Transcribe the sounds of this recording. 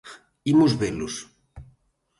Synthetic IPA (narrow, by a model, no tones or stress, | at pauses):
imuzβelʊs